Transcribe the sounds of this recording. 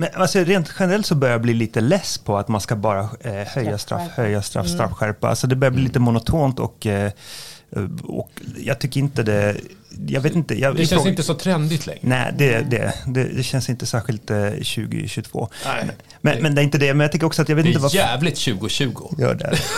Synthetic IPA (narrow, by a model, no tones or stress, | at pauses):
mɛnʔalsɔɾeːnt̪ɧɛnəɾɛlt̪sɔbœɾjabliːliːt̪əlɛspʰɔat̪manskabɑːɾahœjːast̪ɾa̰fhœjːast̪ɾa̰fːst̪ɾa̰fɧæɾpaa̰lsɔd̪ɛbœɾjabliːliːt̪əmʊnʊt̪ʰoːnt̪ɔ̰k | ɔ̰kjɑ̰ɡt̪ʰʏkːəɾɪnt̪əd̪ɛ | jɑ̰ːɡveːt̪ɪnt̪əjʔɑɪnt̪əsɔt̪ʰɾɛnd̪ɪt̪ʰlɛ̰ŋnɛ̰ɪd̪ɛd̪ɛ̰d̪ɛ̰d̪ɛɕɛnsɪnt̪əsæːɾɧɪlt̪ɕʉ̟̰ːɡɪ̰ɕʉɡt̪ʰvo̰ː | mɛnmɛnd̪ɛæɾɪnt̪əd̪ɛmɛnjɑkt̪ɪkːəɾɔksɔat̪jɑveːt̪ɪtəvaæːvlɪt̪ɕʉ̟ːɡʊɕʉ̟ːɡʊjœ̰ːɖɛ̰